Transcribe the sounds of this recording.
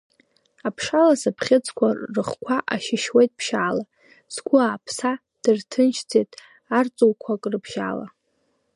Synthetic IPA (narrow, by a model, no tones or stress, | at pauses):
apʰʂalasɨpʰχʲɪt͡sʰʼkʷʰarɨχkʷʰaʔaʃɪʃwejtʼpʰʃaːla | sɡʷʊaːpʰsa | d̥ɨrtʰɨnʃt͡sʰetʼ | art͡sʼowkʷʰakʼrɨpʰʃa̰ːla̰